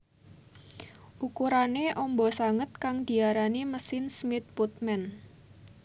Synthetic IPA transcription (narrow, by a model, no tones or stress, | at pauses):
ʔukuɾaneʔɔmbɔsaŋət̪̚kaŋd̪̥i̤aɾaniməsɪnsmɪt̪̚put̪̚mɛn